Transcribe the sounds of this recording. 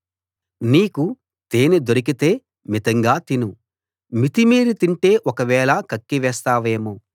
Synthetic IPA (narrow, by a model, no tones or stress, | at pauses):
niːku | t̪eːnud̪oɾik̬it̪e̞ː | mit̪ɐŋɡaːt̪inu | mit̪imiːɾit̪iɳʈe̞ːʔɔkɐʋɛːɭɐkɐkːiʋɛːst̪aːʋe̞ːmu